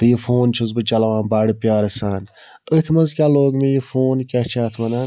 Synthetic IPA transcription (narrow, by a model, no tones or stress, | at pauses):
t̪ɨjifoːnt͡ʃʰuzbɨt͡ʃɐlɐʋãːnbaːɽipʲjaːɾɐsaːn | ət̪ʰmɐnzkʲaːloːɡmejifoːnkʲɐht͡ʃʰaːt̪ʰmɐnaːn